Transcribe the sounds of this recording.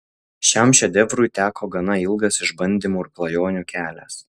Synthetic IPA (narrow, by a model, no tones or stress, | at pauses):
ʃʲɛmʃʲɛd̪ʲɛʋɾʊɪt̪ʲæːkʰoːɡɐnɐɪlˠɡɐsɪʒbɐnʲd̪ʲiːmuːɪɾklˠɐjoːnʲuːkʲæːlʲæ̰ːs